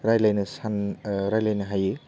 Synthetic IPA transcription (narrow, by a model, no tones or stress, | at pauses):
ɾajlajnɯsanɾajlajnɯɦajɯ